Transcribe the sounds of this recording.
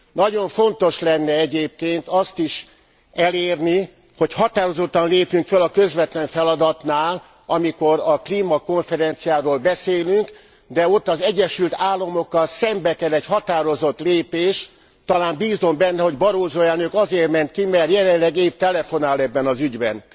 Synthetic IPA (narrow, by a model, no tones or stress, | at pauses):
nɒɟo̞ɱfo̞nt̪oʃlɛnːɛɛɟeːp̚keːnt̪ɒst̪iʃ | ɛleːrni | ho̞chɒt̪aːɾo̞zo̞t̪ːɒnleːpyŋkfølɒkøzʋɛt̪lɛɱfɛlɒd̪ɒt̪naːl | ɒmiko̞ɾɒkliːmɒko̞ɱfɛɾɛnt̪sijaːɾoːlbɛseːlyŋk | d̪ɛo̞t̪ːɒzɛɟːɛʃylt̪aːlːomo̞kːɒlsɛmbɛkɛlɛchɒt̪aːɾo̞zo̞t̪leːpeːʃ | t̪ɒlaːmbiːzo̞mbɛnːɛho̞ɟbɒɾoːzoːɛlnøkɒzeːrmɛnt̪̚kimɛrjɛlɛnlɛɡeːp̚t̪ɛlɛfo̞naːlɛbːɛnɒzyɟbɛn